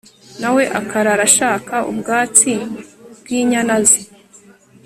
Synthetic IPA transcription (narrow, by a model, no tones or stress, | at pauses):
nawe̞ʔakaɾaɾaʃaːkaʔṵbɡaːt͡sibɡiːɲanazi